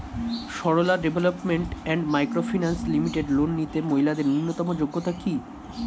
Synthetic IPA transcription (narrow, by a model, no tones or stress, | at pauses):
ʃɔɽolaɖebʱelopmeɳʈɛɳɖmajkɾofinanslimiʈeɖlonːit̪emoɦilad̪eɾunːot̪ɔmod͡ʑoɡːot̪aki